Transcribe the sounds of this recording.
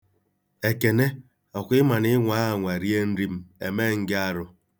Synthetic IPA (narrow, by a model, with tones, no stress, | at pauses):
e˨ke˨ne˦ | ɔ˨kʷɪ˦ma˨n˦ɪ˦ŋʷa˦ɦa˨ŋʷa˨ɾi˦e˦n̩˦ɾi˦m̩˦ḛ˨me˦˨ŋ̩˦ɡɪ˦a˦ɾʊ˦